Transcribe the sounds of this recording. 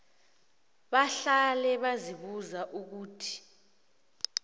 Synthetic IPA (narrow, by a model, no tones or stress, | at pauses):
ɓaɬalɛɓaziɓuzaʔuk̬uːtʰi̥